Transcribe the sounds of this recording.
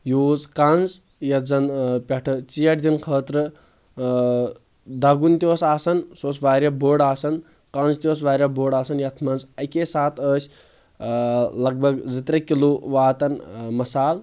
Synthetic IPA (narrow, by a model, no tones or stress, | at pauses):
joːzkɐnz | jɐzɐnpʲɐʈʰɨt͡ʃiːjɐʈd̪inkʰəːt̪ɾɨ | d̪ɐɡunt̪ioːsaːsɐnsoːsʋaːɾʲjɐboːɽaːsɐn | kɐ̃nzt̪ioːs̬ʋaːɾjɐboːɖaːsɐnjɐt̪ʰmɐnzɐkesaːt̪ʰəːsʲ | lɐɡ̚bʱɐɡzɨt̪ɾɐkiloʋaːt̪ɐnmɐsaːl